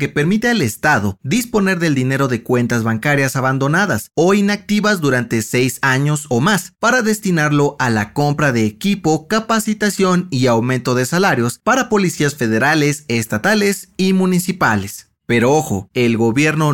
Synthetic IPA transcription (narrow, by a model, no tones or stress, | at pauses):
ke̞pe̞ɾmit̪eale̞st̪aðo̞ðispo̞ne̞ɾðe̞ld̪ine̞ɾo̞ðekwe̞nt̪azβaŋkaɾjasaβand̪o̞naðaso̞inak̚t̪iβazd̪uɾant̪e̞se̞jsaɲo̞so̞maspaɾaðe̞st̪inaɾlo̞ʔalako̞mpɾaðe̞ːkipo̞kapasit̪asjo̞niawmẽnt̪o̞ðe̞salaɾjo̞spaɾapo̞lisiasfe̞ðe̞ɾale̞se̞st̪at̪ale̞simũnisipale̞s | pe̞ɾooxo̞̰e̞lɣo̞βje̞ɾno̞